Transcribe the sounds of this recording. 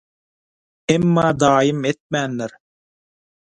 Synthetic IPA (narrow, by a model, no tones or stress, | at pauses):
emːɑːd̪ɑːjɯmet̪̚mænːeɾ